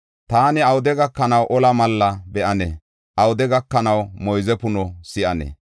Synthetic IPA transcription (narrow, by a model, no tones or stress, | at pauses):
t̪aːnɪɐwʊd̪ɛɡɐkːɐnɐwʔɔlɐmɐlːɐbɛʔɐnɛ̰ | ʔɐwʊd̪ɛɡɐkːɐnɐwmɔjzɛpʊnɔsɪʔɐnɛ̰